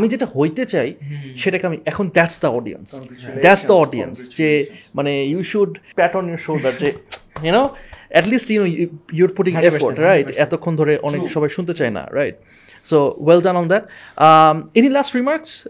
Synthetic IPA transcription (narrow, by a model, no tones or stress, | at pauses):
amid͡ʑeʈahojt̪et͡ɕajʃeʈakeamiʔɛkʰond̪ɛʈsd̪əɔɖḭə̰nsd̪æʈsd̪əɔɖiə̰nsd͡ʑemanejuʃuɖpɛʈənjoɾʃoːd̪aʈ̚d͡ʑejunoɛʈlisʈjunojuɾpuʈĩŋefoɾʈɾajʈɛt̪okʰːond̪ʱoɾeʔɔnekʃɔbajʃunt̪̬et͡ɕajna̰ɾa̰jʈ̚ | sowɛldãnɔ̃nd̪ɛʈ̚ | aenilasʈɾimaɾks